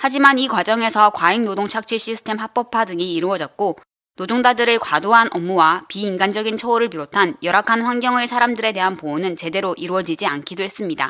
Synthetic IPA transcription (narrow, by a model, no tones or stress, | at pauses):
had͡ʑimanikwad͡ʑʌŋe̞sʰʌkwaiŋnodoŋt͡ɕʰak̚t͡ɕ͈ʰiɕ͈ʰisʰɯ̥tʰe̞mhak̚p͈ʌpʰadɯŋiːɾuʌd͡ʑʌt̚k͈o | nod͡ʑoŋdadɯɾɯɭkwadoɦanʔʌmːuwapiːnɡand͡ʑʌɡint͡ɕʰʌoɾɯɭpiɾotʰanjʌɾakʰanɸwaŋɡjʌŋesʰaɾamdɯɾe̞de̞ɦanpoːnɯnt͡ɕe̞de̞ɾoʔiɾuwʌd͡ʑid͡ʑiankʰidoɦe̞s͈ɯmɲida